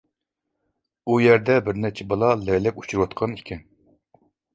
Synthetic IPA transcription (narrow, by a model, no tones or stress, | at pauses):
ujɛɾd̪ɛbɪɾnɛt͡ʃʰɛbɑlˠɑlɛlɛkʲu̥t͡ʃʰuɾwɑt̪̚qʰɑnikʲʰɛn